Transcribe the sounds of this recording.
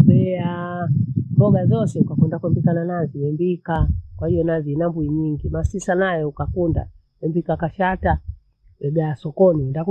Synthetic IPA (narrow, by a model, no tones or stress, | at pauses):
bɛa | bɔɡazɔsɛukakundakwɛmbikananaziwɛmbikakwahijɔnazinambuiɲiŋɡimasisanajɛukakunda̰ | wɛmbikakaʃata | ɛɡaasɔkɔnindaku